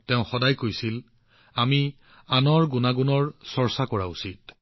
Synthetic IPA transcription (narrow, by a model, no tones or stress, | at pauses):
tɛʊ̃xɔdajkojsil | ami | anɔɹɡunaɡunɔɹsɔɹsakɔɹausit̚